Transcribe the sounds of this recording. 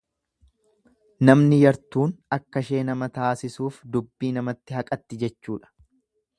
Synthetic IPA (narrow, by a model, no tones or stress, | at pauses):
nɐmnɪjɐɾt̪uːnɐkːɐʃe̞ːnɐmɐt̪aːsɪsuːfd̪ʊbːiːnɐmɐt̪ːɪɦɐkʼɐt̪ːɪd͡ʒɛt͡ʃːuːᶑɐ̥